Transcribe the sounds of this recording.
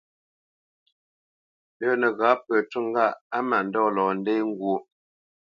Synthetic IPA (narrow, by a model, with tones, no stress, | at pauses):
dəː˦nə˨ɣa˨˦pə˨tu˦˨ŋ˦ɡa˦˨a˦ma˨n̩˨dɔː˦lɔː˨n̩˦de˦jŋ˦ɡwo˨˦